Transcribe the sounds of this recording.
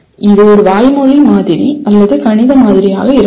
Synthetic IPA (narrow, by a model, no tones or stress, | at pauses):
ɪðɯɔɾɯʋaːjmɔɻimaːðɪɾiɐlːɐðɯkɐɳɪðɐmaːðɪɾɪja̰ːɣɐɪɾ